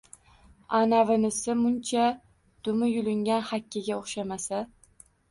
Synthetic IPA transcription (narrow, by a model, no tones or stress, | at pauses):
anavɪnɪsɪmʊnt͡ʃʰa | d̪̥ʊmɪjʊlɪŋɡʲanhakʲːɪɡʲaoχʃamasa